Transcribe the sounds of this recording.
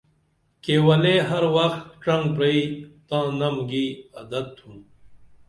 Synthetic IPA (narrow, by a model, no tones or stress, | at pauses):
keːwɐleːɦɐɾwɐxʈ͡ʂɐŋɡpɾeit̪ãːnɐmɡiɐd̪ɐt̪̚t̪ʰũn